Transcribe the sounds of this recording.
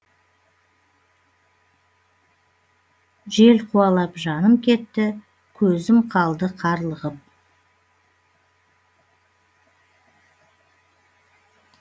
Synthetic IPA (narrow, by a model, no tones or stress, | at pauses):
ʒe̞lqʰuɑlˠɑpʒɑnəmkʲʰe̞t̪ːɪ | kʲʰɵzɪmqʰɑlˠd̪əqʰɑɾlˠəʁəp̚